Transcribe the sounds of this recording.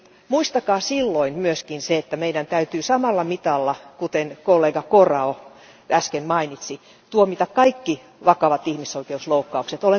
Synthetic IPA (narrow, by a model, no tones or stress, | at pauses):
muist̪ɑkɑːsilːoinmyøskinseet̪ːæmeidænt̪æyt̪yːsɑmɑlːɑmit̪ɑlːɑkut̪enkolːeːɡɑkorɑo | æskenmɑinit̪si | t̪uomit̪ɑkkɑikːi | ʋɑkɑʋɑt̪ihmisoikeusloukːɑukset̪ole